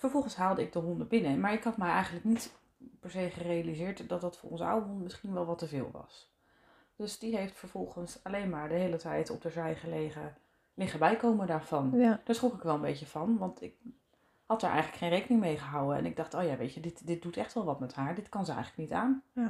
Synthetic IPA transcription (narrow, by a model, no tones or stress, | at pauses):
fəɹvɔlˠχənsɦaːlˠdəɪɡ̚dəɦɔndəbɪnəmaːɹɪkɦɑtmɛjɛjχən̩ləknit | pɛɹsejχərejalizɪːɹtdɑt̚dɑtfʊ̰ːɹʔɔ̰nzəa̰wəɦɔndmɪsχinʋɛlˠʋɑtəvɪːlˠʋɑ̰s | d̥ɵsd̥iɦejftfəɹv̥ɔlˠχənsɑlejnmaːɹdəɦejlətɛjtʰɔ̰p̚dəzɛjχəlejə | lɪχəbɛjkowməndaːɹv̥ɑnd̥aːɹsχrukɪkʋɛlˠəmbejcəv̥ɑnʋɑntʰɪk̚ | hɑt̚daːɹʔɛ̰jχələkχejnrejkənɪŋmejχəɦawəɛ̰nɪɡ̚dɑχtowjaʋejcədɪtdɪt̚dutɛχtʋɛlˠʋɑtmɛtɦaːɹdɪtkɑnzəɛ̰jələknitaːn